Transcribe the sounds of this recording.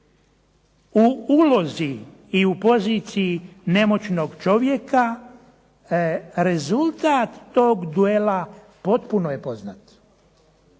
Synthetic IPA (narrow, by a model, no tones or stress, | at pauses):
uulo̞zi | iupo̞ziːt̪siine̞mo̞t͡ɕno̞ɡt͡ʃo̞ʋje̞ka | ɾe̞zulˠt̪aːt̪ːo̞ːɡd̪ue̞la | po̞t̪punoje̞po̞znaːt̪